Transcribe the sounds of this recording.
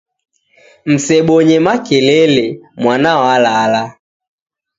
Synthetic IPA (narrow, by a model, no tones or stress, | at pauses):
m̩sɛɓɔɲɛmakɛlɛlɛmwanaɔalala